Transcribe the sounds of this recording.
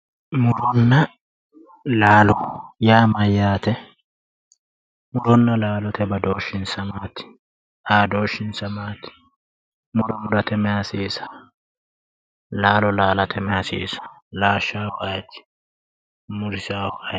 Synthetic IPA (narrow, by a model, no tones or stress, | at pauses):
mʊɾɔnːɐ | laːlɔjaːmɐjaːt̪ɛ | mʊɾɔnːɐlaːlɔt̪ʰɛbɐd̪oːʃːɪnsɐmaːt̪ɪ̥ | ʔaːd̪oːʃːɪnsɐmaːt̪ɪ̥ | mʊɾɔmʊɾɐt̪ɛmɛhɐsiːsɐ̥ | laːlɔlaːlɐt̪ʰɛmɛhɐsḭːsɐ̥laːʃːaːwɔʔɐjt̪ɪ̥ | mʊɾɪsaːwɔʔɐ